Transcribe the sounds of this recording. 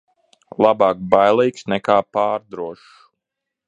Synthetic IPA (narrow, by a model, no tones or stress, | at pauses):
lˠabaːk̚bajlˠiːksnɛkaːpaːɾd̪ɾuɔʃ